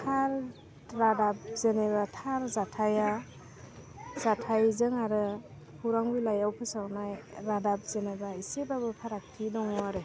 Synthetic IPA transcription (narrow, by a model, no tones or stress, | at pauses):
tʰaɾ | ɾadap̚zeneβatʰaɾzatʰaja | zatʰajzɯŋaɾɯ | pʰuɾaŋbulajawpʰɯsawnajɾadap̚zenabaisebabɯpʰaɾak̚tʰidɔŋɔwaɾɯ